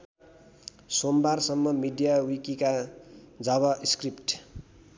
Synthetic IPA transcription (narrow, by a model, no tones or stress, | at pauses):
sombarsʌmːʌmiɖijawikikad͡zʌβʌskripʈ